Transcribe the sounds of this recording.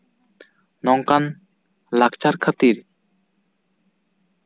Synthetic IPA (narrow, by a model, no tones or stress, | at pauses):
nɔŋkan | lak̚t͡ʃaɾkʰat̪iɾ